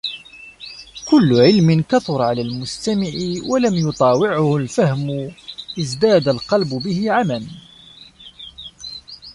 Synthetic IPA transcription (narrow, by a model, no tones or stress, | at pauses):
kʊlːʊʕɪlmɪnkaθʊɾˤʕalaːlmʊst̪amɪʕɪwalamjʊt̪ˤɑːwɪʕʊhʊlfahmʊʔɪzd̪aːd̪alqɑlbʊbɪhɪʕaman